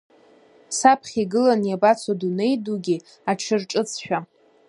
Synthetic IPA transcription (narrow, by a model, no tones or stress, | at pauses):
sapʰχʲiɡɨlanjabat͡sʰadune̞jduɡʲi | aʈ͡ʂʰɨrʈ͡ʂʼɨt͡sʰʃᶣa